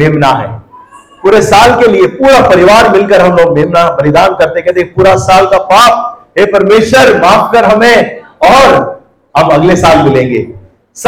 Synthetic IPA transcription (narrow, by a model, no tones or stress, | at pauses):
eːmnaɦɛ̰̃ː | puːɾesaːlkeliepuːɾapɐɾɪʋaːɾmɪlkəɾɦɐmomeːmnabɐlɪd̪aːnkɐɾt̪ekɛt̪epuːɾasaːlkapaːp̚ɦepɐɾmeːʃʋəɾmaːfkəɾɦɐmẽɔːɾ | ɦɐmɐɡlesaːlmɪlẽːŋɡḛː | s